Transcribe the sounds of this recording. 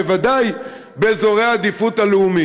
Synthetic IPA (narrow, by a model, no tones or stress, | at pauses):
vad̪aj | be̞zo̞ʁe̞aːd̪ifut̪aleumi